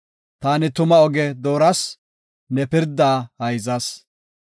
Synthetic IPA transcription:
t̪aːnɪt̪ʊmɐɔɡɛd̪o̞ːɾɐs | nɛpɪɾd̪ːaːhɐjzɐs

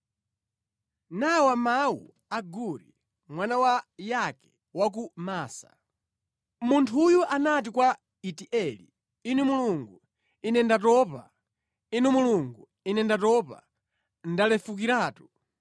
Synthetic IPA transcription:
nawamawṵ | aɡuɾḭ | mwanawajakɛ̥ | wak̬umaːsa̰ | muntʰujuʔanat̬ikwa | itiʔɛlḭ | inumuluŋɡu | inɛndatɔpa̰ | inumuluŋɡu | inɛndatɔpa̰ | ndalɛfuk̬iɾaːtu̥

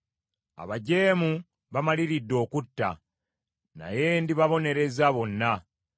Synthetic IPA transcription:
a̰βaɟe̞ːmu | βamaliɾidːo̞ːkutːa̰ | na̰jendiβaβo̞ne̞ɾe̞zaβo̞nːa

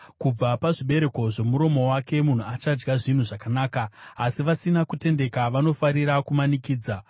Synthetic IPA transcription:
kub͡vapaʐiɓe̞ɾe̞ko̞ʐe̞muɾo̞mo̞wake̞mun̤uat͡ʃad͡ʒɡaʐin̤uʐakanaːkaːsiʋasinakute̞nde̞kaʋano̞faɾiɾakumanikiːd͡za

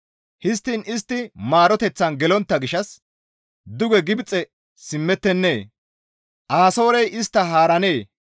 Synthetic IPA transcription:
hɪst̪ːinɪst̪ːɪmaːɾɔt̪ɛt͡sːɐnɡɛlɔnt̪ːɐɡɪʃɐs | d̪ʊɡɛɡɪbt͡sʼːɛ | sɪmːɛt̪ːɛnːe̞ː | ʔaːso̞ːɾɛjɪst̪ːɐɦaːɾɐneː

